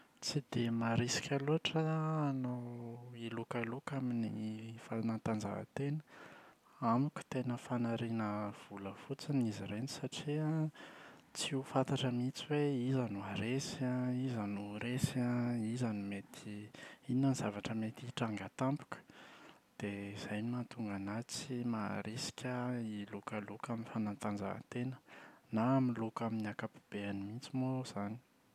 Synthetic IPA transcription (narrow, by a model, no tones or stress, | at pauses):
t͡sid̪emaɾisi̥kʲaluɦaʈ͡ʂəːnoilukalukaminifalnant̪and͡zavə̰t̪enə̥ | amukʲu̥t̪enəfanaɾenəv̥uləfut͡siniziɾeni̥saʈ͡ʂia | t͡siufant̪aʈ͡ʂamit͡siweizanuaɾesaizanuɾesaizanimet̪ʰiinːaniz̥avaʈ͡ʂəmet̪iʈ͡ʂaŋɡat̪ampu̥kə̥d̪̥eiz̥ajnimant̪uŋɡanat͡simaɾesi̥kʲʰəilukəlukaminfanant̪and͡ʒa̰t̪enə̥naːmilukaminakapu̥b̥eanimint͡simoz̥ani̥